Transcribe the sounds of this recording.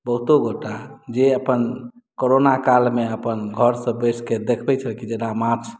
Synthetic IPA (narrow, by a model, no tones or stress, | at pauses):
bəɦt̪oɡoʈad͡ʒeəpən | koɾonakalmeəpənɡʱəɾsə̃bəsʰked̪ekʰbɛt͡ʃʰəlkid͡ʒenamaɾt͡ʃʰ